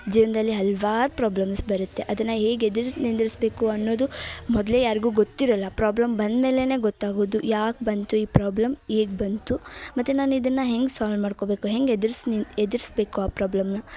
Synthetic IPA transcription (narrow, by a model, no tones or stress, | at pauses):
d͡ʒiːʋɐnd̪ɐlːiɦɐlʋaːɾupɾaːblɐmsbɐɾut̪ːeʔɐd̪ɐnːɐɦeːɡed̪iɾnind̪iɾisbe̞ːkuɐnːo̞ːd̪umɔd̪le̞jaːɾiɡuːɡot̪ːiɾɐlːɐpɾaːblɐmbɐnd̪me̞ːle̞ne̞ːɡɔt̪ːaːɡoːd̪ujaːk̚bɐnt̪uiːpɾaːblɐmheːɡbɐnt̪umɐt̪ːenaːnuid̪ɐnːɐɦe̞ŋɡsaːlmaːɖko̞be̞ːkuɦe̞ŋɡed̪ɾsed̪iɾsbe̞ːkuaːpɾaːblɐmnɐ